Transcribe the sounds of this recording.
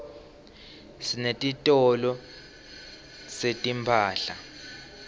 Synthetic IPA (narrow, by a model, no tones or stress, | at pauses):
sinetʼitʼɔlɔ | setʼimpʰaːɬa